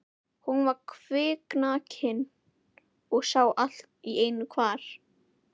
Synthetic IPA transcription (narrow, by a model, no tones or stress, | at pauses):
hunvaɾkʰvɪːknaːchɪn | ɔɣsaːwʔal̥t̪̚ieːjnʏkʰvaːɾ̥